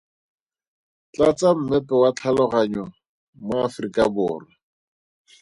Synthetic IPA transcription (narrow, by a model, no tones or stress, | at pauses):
t͡ɬat͡sam̩mɛpɛwat͡ɬʰalɔχaɲɔ | mʊafrikʼabʊːra